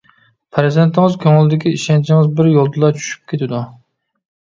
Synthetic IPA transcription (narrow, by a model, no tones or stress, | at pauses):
pʰɾɪzent̪ʰɪŋɨzkʲʰøŋɪlˠɪd̪ɪkʲiiʃɛnt͡ʃʰɪŋɪzbɪɾjolˠd̪ɨlˠɑt͡ʃʰy̥ʃy̥p̚kʲʰet̪ʰɪd̪u